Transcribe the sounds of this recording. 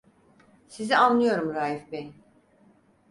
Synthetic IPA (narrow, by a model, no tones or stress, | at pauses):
sizianlːˠɯjo̞ɾumɾaːjifben